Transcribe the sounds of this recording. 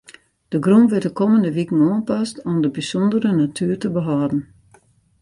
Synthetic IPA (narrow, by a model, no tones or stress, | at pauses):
d̥əɡrumʋɪtdəkoməndəʋikn̩oənpastɔmdəbisɔndəɾənatʰyːərtəbəɦɔːdn̩